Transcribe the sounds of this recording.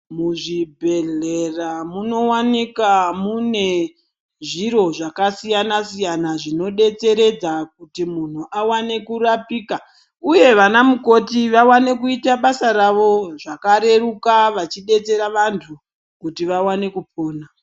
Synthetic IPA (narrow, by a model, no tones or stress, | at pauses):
muʐibʱe̞ɮe̞ramuno̞wanikamune̞ | ʐiɾo̞ʐakasijanasijanaʐino̞ɗe̞t͡se̞ɾe̞d͡zak̚utimun̤uʔawane̞kurapiːka | uje̞ʋanamuko̞tiʋawane̞kuitaɓasaɾaʋo̞ʐakaɾe̞rukaʋat͡ʃiɗe̞t͡se̞ɾaʋantʰu | kutiʋawane̞kupoːna